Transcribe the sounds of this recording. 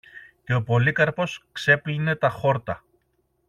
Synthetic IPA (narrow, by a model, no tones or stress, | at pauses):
ce̞o̞po̞likɐɾpo̞skse̞pline̞t̪ɐxo̞ɾt̪ɐ